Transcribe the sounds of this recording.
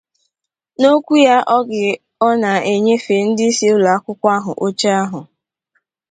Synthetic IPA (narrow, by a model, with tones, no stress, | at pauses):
no˦kʷu˦ja˦ʔɔ˦ɡɪ˨ | ɔ˦na˨e˨ɲe˦fe˨n̩˦dɪ˦i˦se˦ʊ˦la˨a˦kʷʊ˦kʷa˦ɦʊ̰˨ʔo˦t͡ʃa˦a˦ɦʊ˨